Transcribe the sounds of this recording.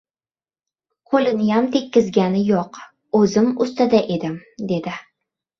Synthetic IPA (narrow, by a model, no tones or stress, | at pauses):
qʰolɪnɪjamt̪ʰekʲːɪzɡʲanɪjoq | ɵzɪmʊst̪ad̪aʔed̪ɪmd̪e̞d̪ɪ